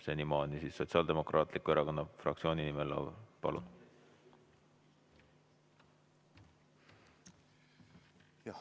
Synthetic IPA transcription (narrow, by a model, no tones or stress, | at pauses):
senimɑːnʲisiːsːo̞t̪ʲsʲiɑːld̪emo̞krʔɑːt̪ˑlikːue̞ɾɑko̞nːɑfrɑ̰kt̪sʲio̞ːninimelɑ̰vpɑ̰lṵn